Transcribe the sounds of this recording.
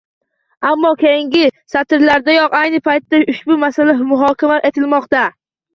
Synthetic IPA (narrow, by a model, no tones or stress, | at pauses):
amːɒkʲe̞jɪŋɡʲɪsat̪ɪɾlaɾd̪ajɒqajnɪpʰajt̪ːaʊʃbʊmasalamʊɦɒkʲamaʔe̞t̪ʰɪlmɒqt̪a